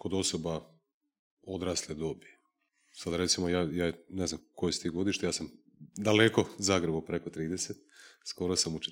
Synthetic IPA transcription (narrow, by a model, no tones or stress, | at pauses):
ko̞d̪o̞soba | o̞d̪ɾasled̪o̞bije | sad̪aɾe̞t̪simojaːjaːneznamko̞jest̪iːɡo̞d̪iʃt̪ejaːsam | d̪aleko̞zaɡɾebupɾeko̞t̪ɾiːd̪eset̪̚sko̞ɾosamut͡ʃ